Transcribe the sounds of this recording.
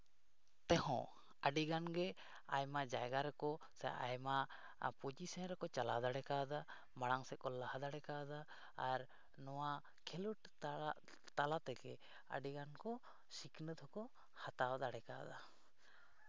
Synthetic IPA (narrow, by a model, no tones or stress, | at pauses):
t̪ɛɦɔ̰̃ | əɖiɡanɡɛ | ajmaʔd͡ʒajɡaɾɛkɔ | sɛ̰ʔa̰jma | pud͡ʒisanɾɛkɔt͡ʃalad̪aɽɛkad̪a | maɽaŋsɛkɔlːahad̪aɽɛkad̪a | aɾ | nɔwa | kʰɛluʈ | t̪alat̪ɛɡɛ̰ | ə̰ɖiɡankɔ | siknət̪ɔkɔ | hat̪awd̪aɽɛka̰d̪a